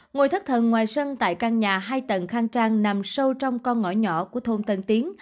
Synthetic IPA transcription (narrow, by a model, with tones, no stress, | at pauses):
ŋo˨˩jt̪ʰə˦˥k̚t̪ʰə̰˧˨nŋwaː˨˩jsə˧nt̪a̰ː˧˨jkaː˧ŋɲaː˨˩ɦaː˧jt̪ə˨˩nxaː˧ŋt͡ɕaː˧ŋna˨˩msə˧wt͡ɕɔ˧wŋ͡mkɔ˧nŋɔ̰˧˩ɲɔ̰˧˩˨kku˧˩ət̪ʰo˧mt̪ə˧nt̪i˨˦əŋ